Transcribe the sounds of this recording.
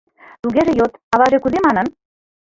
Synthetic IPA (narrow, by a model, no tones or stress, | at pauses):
t̪uɣeʒĕjot̪ɑβɑʒekuðemɑnə̆n